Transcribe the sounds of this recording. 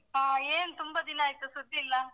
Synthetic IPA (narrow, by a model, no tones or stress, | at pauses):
ɦãːeːnt̪ʊmbɐd̪inːaːjit̪usʊd̪ʱːiːlːɐ